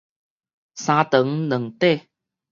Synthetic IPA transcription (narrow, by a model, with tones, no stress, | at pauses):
saː˧t̪ə˨˦ŋnɨ˨˩ŋt̪e˥˧˨